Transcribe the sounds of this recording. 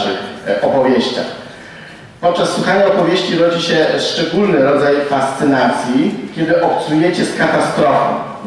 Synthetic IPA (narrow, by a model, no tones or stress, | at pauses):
ɘxɔpɔvʲjeɕt͡ɕa̰x | pɔt̪̚t͡ʂasːwuxaɲaɔpɔvʲjeɕt͡ɕiɾɔd͡ʑiɕɛʂt͡ʂɛɡulnɘɾɔd̪zajfast̪sɘnat̪sʲjikʲɛd̪ɘʔɔp̚t̪sujɛt͡ɕɛskat̪ast̪ɾɔfɔ̰̃w̃